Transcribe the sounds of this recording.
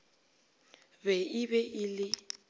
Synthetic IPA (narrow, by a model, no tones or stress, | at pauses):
bɛɪbɛʔɪlɪ